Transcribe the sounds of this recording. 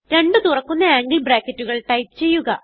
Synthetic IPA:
ɾe̞ɳɖɨt̪urɐkːunːɐaːŋɡibraːkːɐtːuɣɐɭʈɐjt̚t͡ɕe̞jːuɣɐ̰

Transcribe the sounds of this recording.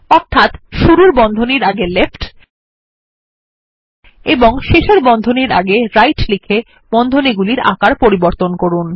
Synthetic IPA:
ɔɾt̪ʰat̪ʃuɾuɾbɔnd̪ʱoniɾaɡelefʈ | eboŋʃeʃeɾbɔnd̪ʱoniɾa̰ɡeɾajʈlikʰe | b̥ɔnd̪ʱoniɡuliɾa̰kaɾpoɾiboɾt̪onkoɾun

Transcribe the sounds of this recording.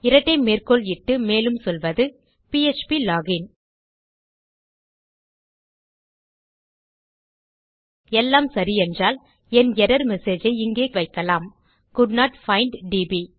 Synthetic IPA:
ɪɾɐʈːɐɪmeːrkɔɭɪʈːɯmeːlɯmsɔlʋɐðɯ | piɛt͡ʃpilaːɡɪn | ɛlːaːmsɐɾiɛndraːl | ɛnɛɾɐɾmɛseːd͡ʒɐɪɪŋɡeːʋɐɪkːɐlaːm | kʊɖnaːʈfɐɪɳɖɖibi

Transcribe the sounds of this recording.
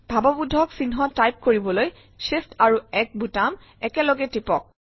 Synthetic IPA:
bʱabɔbudʱɔksinɦɔtajp̚koɹibɔloj | sestaɹuɛk̚bʱutam | ɛkɛlɔɡɛtipɔk̚

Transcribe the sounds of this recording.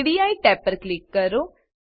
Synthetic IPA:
ɽiaːiʈɛːpəɾklɪkːəɾo

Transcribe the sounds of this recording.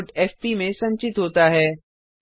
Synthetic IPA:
ʈɛːfpimẽsɐ̃ɲt͡ʃɪt̪ɦoːt̪aɦɛː

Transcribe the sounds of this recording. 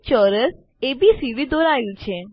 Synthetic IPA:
t͡ʃəɾəs | ebisiʋid̪oɾajũt͡ʃʰe

